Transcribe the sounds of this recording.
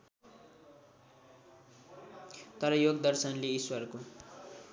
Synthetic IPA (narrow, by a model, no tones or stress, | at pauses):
t̪ʌɾʌjoɡd̪ʌrsʌnleiswʌrko